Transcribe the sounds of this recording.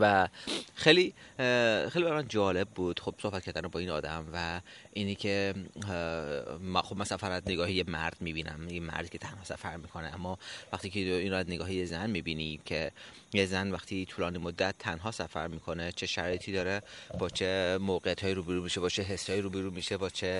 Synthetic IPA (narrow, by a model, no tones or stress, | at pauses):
væxejli | xejlibæɾmænd͡ʒɒːle̞b̚ːuːd̪̥xob̥so̞hbæt̪kʰæɾd̪ænebɒːiːnɒ̰ːd̪æmvæʔiːnikʰe | mæxobmænsæfæɾæzneɡɒːhijemæɾd̪̥miːbiːnæ̰mjemæ̰ɾd̪̥̚kʰe̞t̪ʰænhɒːsæ̰fæɾmiːkʰo̞neæmːɒvæxt̪iːkʰeiːnɾoæzneɡɒːhijezænmiːbiːnicʰe̞ | jezænvæxt̪ʰit̪ʰulɒːnimod̪ːæt̪ʰːænɦɒːsæfæ̰ɾmiːkʰonet͡ʃʰe̞ʃæɾɒːjet̪ʰiːd̪ɒːɾeb̥ɒːt͡ʃʰe̞moːɣejæt̪hɒːiɾuːbeɾuːmiʃebɒːt͡ʃʰeɦeshɒːjiɾuːbeɾuːmiʃebɒːt͡ʃʰe